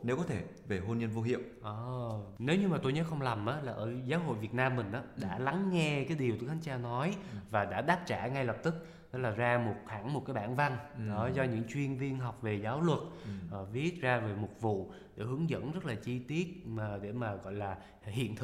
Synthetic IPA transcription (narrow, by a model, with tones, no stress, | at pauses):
ne˨˦wkɔ˨˦t̪ʰe˧˩ | ve˨˩ɦo˧nɲə˧nvo˧ɦḭ˧˨ə˨wʔəː˧˩ne˨˦wɲɨ˧maː˨˩o˧jɲə˨˦jxə˧wŋ͡mla˨˩mʔaː˨˦laː˨˩ʔəː˧˩zaː˨˦wɦo̰˧˨jvi˨˩t̚naː˧mːï˨˩ŋ̟ʔaː˨˦ɗa̰ː˧˥la˨˦ŋːɛ˧kaː˨˦jɗi˨˩ət̪u˨˦t̪ʰa˨˦ŋɲt͡ɕaː˧nɔ˨˦jvaː˨˩ɗa̰ː˧˥ɗaː˦˥p̚t͡ɕaː˧˩ŋa˧jlə˨˩p̚t̪ɨ˦˥k̚ | ɗɔ˨˦laː˨˩zaː˧mo˨˩t̚xa̰˧˩ŋmo˨˩t̚kaː˨˦jɓa̰ː˧˨nva˧nɗɔ˨˦zɔ˧ɲɨ̰˧˥ŋt͡ɕwi˧ənvi˧ənɦa˨˩wk͡p̚ve˨˩zaː˨˦wlwə˨˩t̚ʔːvi˦˥ət̚zaː˧ve˨˩mʊ˨˩t̚vṵ˧˨ | ɗḛ˧˩hɨ˨˦əŋzə̰˧˥nzə˦˥t̚laː˨˩t͡ɕi˧t̪i˦˥ət̚ːɗe˧˩maː˨˩ɣɔ̰˧˨jlaː˨˩ | hḭ˧˨ənt̪ʰɨ˧˥